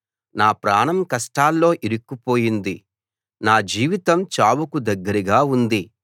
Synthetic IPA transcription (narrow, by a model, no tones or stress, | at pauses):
naːpɾaːɳɐmkɐsʈaːlːo̞ːʔiɾukːupo̞ːjind̪i | naːd͡ʒiːʋit̪ɐmt͡ʃaːwukud̪ɐɡːɐɾiɡaːund̪i